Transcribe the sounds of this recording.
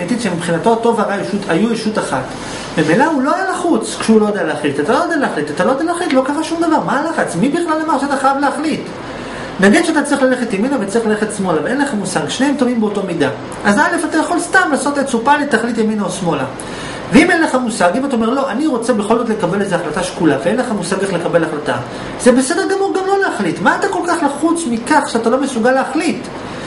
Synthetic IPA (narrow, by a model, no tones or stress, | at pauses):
et̪iʃemipχinato̞to̞vaʁajeʃutʰajueʃutaχa̰t | bemejlaulo̞ajalaχut͡skʃulo̞jodejaleaχlitat̪alojodealeaχlitat̪alo̞jdealeaχlit̪lo̞kaʁaʃumd̪avaʁmalaχat͡smibiχlalamaʁʃeat̪aχajavleaχlit | naɡid̪ʃeat̪at͡sʁiχlale̞χe̞t̪jeminavet͡sʁiχlale̞χet̪smo̞laveenleχamusaɡʃne̞emt̪ovimbeoto̞mida | ʔazale̞fatajeχo̞lstamlaːso̞tet͡supalet̪ːaχlit̬jaminaosmo̞la̰ | veime̞nleχamusaɡimataome̞ʁlo̞ʔaniʁo̞t͡se̞beχo̞lzo̞t̬le̞kabe̞lezeaχlataʃkulaveenleχamusaɡeχle̞kabe̞laχlata̰ | z̥ebe̞se̞deʁɡamuʁɡamlo̞leaχlitmaːtako̞lkaχlaχut͡smikaχʃeatalo̞mesuɡalːeaχlit